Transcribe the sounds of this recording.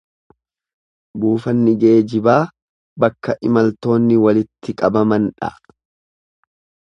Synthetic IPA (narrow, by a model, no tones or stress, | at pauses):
buːfɐnːɪɡe̞ːd͡ʒɪbaː | bɐkːɐʔɪmɐlt̪o̞ːnːɪwɐlɪt̪ːɪkʼɐbɐmɐnᶑɐ̰